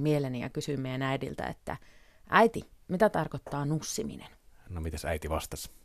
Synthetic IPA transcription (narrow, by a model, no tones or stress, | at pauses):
mielenijɑ̰kysyimːeenæidḭlt̪æ̰ḛt̪ːæ̰ʔæit̪imit̪æt̪ɑrkot̪ːɑːnusːimḭnennomit̪æsæit̪iʋɑst̪ɑs